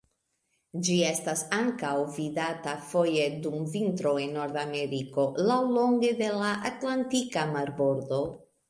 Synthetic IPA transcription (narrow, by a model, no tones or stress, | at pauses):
d͡ʒie̞stasaŋkawvidatafo̞je̞dumvintɾo̞e̞nːo̞ɾd̪ame̞ɾiko̞lawlo̞ŋɡe̞de̞laʔatlantikamaɾbo̞ɾd̪o̞